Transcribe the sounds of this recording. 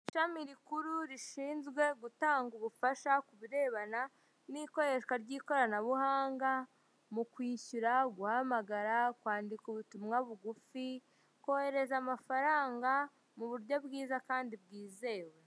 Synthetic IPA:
iʃamiɾikuɾuɾiʃiːnzɡwe̞ɡutaːŋɡuβufaʃakuβiɾe̞ːβana | niko̞ɾe̞ʃwaɾɟiːko̞ɾanaβuhaːŋɡa | mukwiːçuɾaɡuhamaɡaɾakwaːndikuβutumŋaβuɡufi | ko̞he̞ɾe̞zamafaɾaːŋɡa | muβuɾjo̞bɡiːzakaːndibɡiːze̞ːwe̞

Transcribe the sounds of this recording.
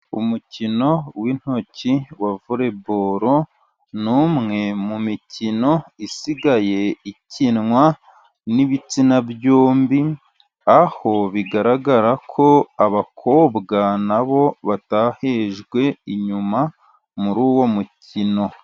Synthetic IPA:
umucino̞win̥hociwavuɾe̞boɾo̞ | nuːmŋe̞mumicino̞isiɡaje̞icinŋwa | niβit͡sinabjoːmbi | aho̞βiɡaɾaɡaɾakʰo̞aβakʰoːbɡanaβo̞βataheːʒɡwe̞iɲuma | muɾuːwo̞mucino̞

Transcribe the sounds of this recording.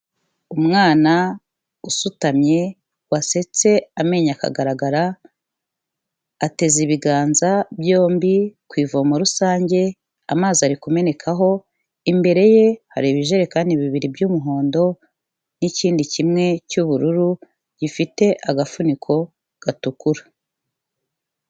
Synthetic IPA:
umŋaːna | usutamɲe̞ | wase̞t͡se̞ame̞ɲaka̰ɡaɾaɡaɾa | teziβiɡaːnzabjo̞ːmbikwiːvomoɾusaːɲɟe̞ | a̰maːzaɾikume̞ne̞kʰaɦo̞ | imbe̞ɾe̞je̞haɾiβiʒe̞ɾekaːndiβiβiɾibɟuːmuɦo̞ːndo̞ | niciːndicimŋe̞cuβuɾuɾu | ɟifite̞ʔaɡafunikʰo̞ | ɡ̥atukuɾḁ

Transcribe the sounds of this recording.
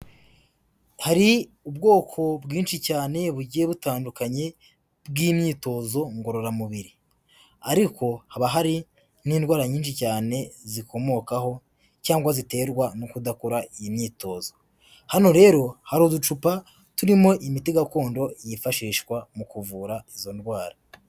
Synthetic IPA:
haɾi | ubɡo̞ːkʰo̞bɡiːnʃicaːne̞βuɟieβutaːndukaɲe̞ | bɡiːmɲiːto̞zo̞ŋɡo̞ɾo̞ɾamuβiɾi | aɾiko̞haβaɦaɾi | niːndɡwaːɾaɲiːnʃicaːne̞ziko̞mo̞ːkaɦo̞ | caːŋɡwazite̞ːɾɡwanukudakoɾaijimɲiːto̞ːzo̞ | hano̞ɾe̞ːɾo̞haɾodut͡ʃupa | tuɾimo̞ʔimitiɡako̞ːndo̞jifaʃiːʃkwamukuvuːɾaizo̞ndwaːɾa

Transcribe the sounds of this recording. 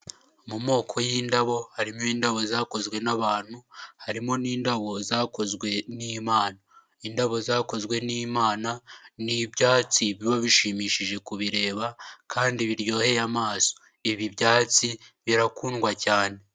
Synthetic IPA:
mumo̞ːkʰo̞jiːndaβo̞haɾimiːndaβo̞zaːko̞zɡwe̞naβaːn̥huhaɾimo̞niːndaβo̞zaːko̞zɡwe̞nimaːna | indaβo̞zaːko̞zɡwe̞niːmaːnanibɟaːt͡siβiβoβiʃimiːʃiʒe̞kuβiɾe̞ːβakʰaːndiβiɾjo̞ːhe̞jamaːso̥ | iβibɟaːt͡siβiɾakuːnɡwacaːne̞

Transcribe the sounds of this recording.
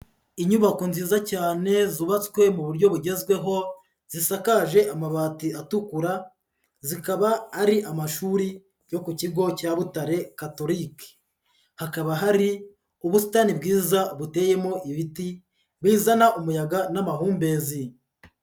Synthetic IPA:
iɲuβako̞nziːzacaːne̞zuβat͡skwe̞muβuɾɟo̞βuɟe̞zɡwe̞ɦo̞ | z̥isakaʒe̞ʔamaβaːtiatukuɾa | zikaβaːɾiʔamaʃuːɾi | jo̞kuciɡo̞caβutaɾe̞kato̞ɾike̥ | hakaβaɦaɾi | uβusu̥taːnibɡiːzaβute̞je̞mo̞ʔiβiti | βiːzanaʔumujaɡanamaɦuːmbe̞zi

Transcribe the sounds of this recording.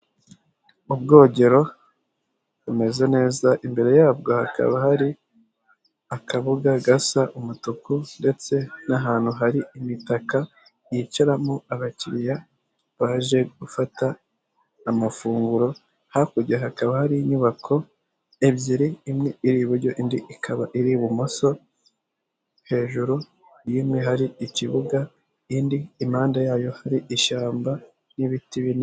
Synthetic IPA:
ubɡo̞ːɟe̞ɾo̞ | βume̞ze̞ne̞ːzaʔimbe̞ɾe̞jaːb̚ɡo̞haka̰βahaɾi | akaβuɡaɡasaʔumutukunde̞t͡se̞naɦaːn̥huɦaɾiimitaka | jicaɾamuaɡaciɾija | βaʒe̞ɡ̥ufataː | mafuːŋɡuɾo̞ | hakuɟaɦakaβahaɾiɲuβakʰo̞ | ebjiɾiːmŋeiɾiːβuɾɟo̞ʔindiʔikʰaβaʔiɾiβumoso̞ | he̞ːʒuɾu | jimŋeɦaɾiiciβuɡa | indiːmaːndajaːjo̞haɾiiʃaːmba | niβitiβini

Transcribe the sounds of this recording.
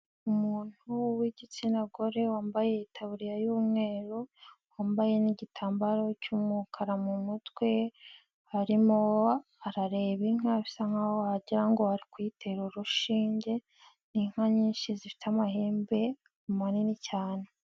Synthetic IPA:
umuːn̥huwiɟit͡sinaɡo̞ɾe̞waːmbaje̞itʰaβuɾijajuːmŋe̞ːɾowaːmbajeniɟitʰaːmbaɾo̞cumukʰaɾamumutwe̞ | haɾimo̞ | aɾaɾe̞βiŋ̥aβisaŋ̥ahoaɟiɾaŋɡo̞haɾikwitʰe̞ɾuɾuʃiːɲɟe̞ | niŋ̥haɲiːnʃizifi̥tamaheːmbe̞ | kumaninicaːne

